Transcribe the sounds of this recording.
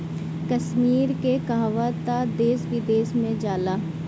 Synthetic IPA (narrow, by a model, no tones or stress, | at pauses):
kəʃmiːɾkekaɦaʋət̪ad̪eːsʋɪd̪eːsmẽd͡ʒaːlaː